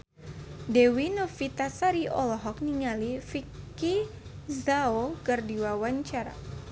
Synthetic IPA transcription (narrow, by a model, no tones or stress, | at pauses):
dewinofit̪asaɾiɔlɔɦɔk̚niŋalifikizaokərdiwawaɲt͡ʃaɾa̰